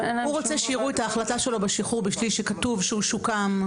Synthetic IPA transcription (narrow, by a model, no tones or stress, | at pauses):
huʁot͡seʃejiʁuetaːχlataʃe̞lo̞baʃiχuʁbiʃliʃekatuvʃeuʃukam